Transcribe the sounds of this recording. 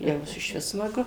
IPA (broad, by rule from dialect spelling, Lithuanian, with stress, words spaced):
jɛʊ ɪʃʲˈʋʲɪs smɐˈɡʊ